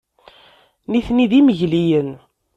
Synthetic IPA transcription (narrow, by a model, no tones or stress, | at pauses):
niθniðiməʝlijən